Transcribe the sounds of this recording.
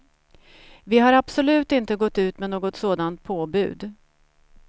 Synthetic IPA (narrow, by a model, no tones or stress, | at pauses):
vɪɦaɾabsɔlʉ̟ːt̪ɪnt̪əɡɔt̪ːʉ̟ːt̪mɛnoːɡɔt̪soːd̪ant̪̚pʰoːbʉ̟̰ːd̪